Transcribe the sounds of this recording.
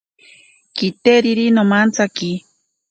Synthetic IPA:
kit̪eɾiɾinomant͡saki

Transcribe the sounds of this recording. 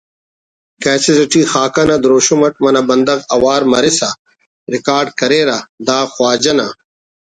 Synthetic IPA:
keːsezɐʈiːxaːkɐnɐd̪ɾoːʃomɐʈ̚mɐnɐbɐnd̪ɐɣɐwaːɾmɐɾesa | ɾɪkaːɾɖkɐɾeːɾad̪aːxwaːd͡ʑɐna

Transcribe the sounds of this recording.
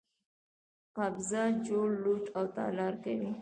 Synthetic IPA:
qabzad͡ʒoɽluʈawt̪ɑ̰lɑɾkawi

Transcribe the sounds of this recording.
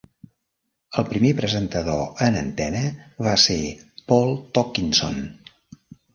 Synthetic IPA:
əlˠpɾimepɾəzənt̪əðoənə̰nt̪ɛnəβasepɔlˠt̪ɔkinso̰n

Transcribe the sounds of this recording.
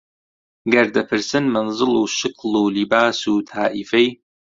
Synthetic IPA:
ɡɐɾd̪ɐpʰɨɾsɨnmɐnzɨlˠuːʃɨqluːlibaːsuːt̪ʰaːʔifej

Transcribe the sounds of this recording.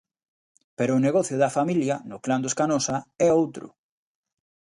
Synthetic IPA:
peɾoːneɣɔθjʊðɐfamiljɐnʊkland̪oeskanosaɛowt̪ɾʊ̰

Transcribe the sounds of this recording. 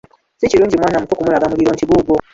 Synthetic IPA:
siciɾuːɲɟimwaːnamutokumulaɡamuliɾoːɲciβuːɡo

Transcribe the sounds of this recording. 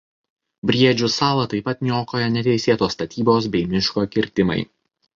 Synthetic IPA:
bʲɾʲiɛd͡ʒʲʊsɑːlˠɐt̪ɐɪpɐt̪nʲɪoːkoːjɛnʲɛt̪ʲɛɪsʲeːt̪oːsːt̪ɐt̪ʲiːboːs̬bʲɛɪmʲɪʃkoːkʲɪɾʲt̪ʲɪmɐ̰ɪ

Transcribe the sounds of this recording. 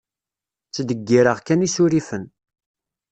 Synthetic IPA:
t͡sːd̪əɡːiɾəʁkænisuɾifən

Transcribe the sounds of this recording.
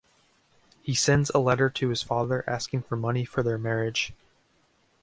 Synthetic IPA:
hisɛ̃ndzəlɛɾə˞ɾʰɨɨz̥fɑðə˞ʔæskɪ̃ŋfə˞mʌnifə˞ðə˞mɛɹɪd̥ʒ̥

